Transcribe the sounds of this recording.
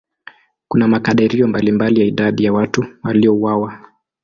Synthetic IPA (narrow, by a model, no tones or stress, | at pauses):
kunamakaɗɛɾiɔmbalimbalijaiɗaɗijawatuwaliɔuwawa